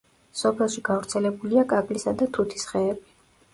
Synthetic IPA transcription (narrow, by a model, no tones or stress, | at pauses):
sɔpʰɛlˠʃiɡavɾt̪sʰɛlɛbuliakʼakʼlisad̪at̪ʰut̪ʰi̥sχɛːbi